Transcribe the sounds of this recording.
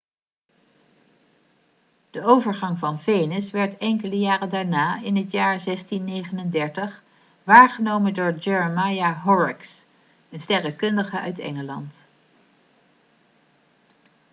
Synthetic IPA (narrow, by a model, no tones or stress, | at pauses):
d̥əowvəɹχɑŋvɑnvejnəsʋɛɹtɛŋkələjaːrədaːɹnaːɪnɦətjaːɹzɛstinːejχənəndɛɹtəχ | ʋaːɹχənowməndʊːɹd͡ʒɛɹəmajaɦɔɹɪks | ənstɛrəkɵndəχəʔœ̰ɥtɛ̰ŋəlɑ̰nt